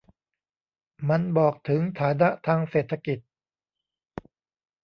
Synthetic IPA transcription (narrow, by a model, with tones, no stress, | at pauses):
ma˧nbɔː˨˩k̚t̪ʰɯ˩˦ŋt̪ʰaː˩˦na˦˥ʔt̪ʰaː˧ŋseː˨˩t̪ʰːa˧ki˨˩t̪̚